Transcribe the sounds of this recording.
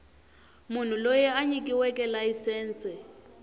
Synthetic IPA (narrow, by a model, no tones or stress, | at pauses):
mun̤ulojɛaɲikʼiwɛkʼɛlajisɛːnt͡sʰʼɛ